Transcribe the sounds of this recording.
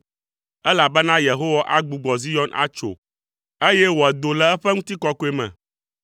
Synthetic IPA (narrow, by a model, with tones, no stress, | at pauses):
ɛ˦la˨bɛ˦nã˦je˨ɦo˦wa˦ʔa˦ɡ͡bu˨ɡ͡bɔ˨zi˦jɔ˦nʔa̰˦t͡ʃo̰˨ | e˦jɛ˦wo˨ɛ˨d̪o˨lɛ˨ɛ˦ɸɛ˦ŋũ˦t̪i˦kɔ˦ko˦e˦mɛ̰̃˨